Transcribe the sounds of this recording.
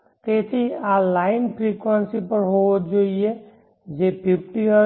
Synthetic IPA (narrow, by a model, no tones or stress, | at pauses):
t̪eːsʰialːaːɪnpʰɾikwənsipəɾɦot̪d͡ʒoie | d͡ʒepʰip̚ʈiə